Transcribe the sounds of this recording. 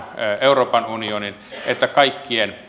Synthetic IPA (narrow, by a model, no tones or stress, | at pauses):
euroːpɑnunionin | et̪ːækɑikːien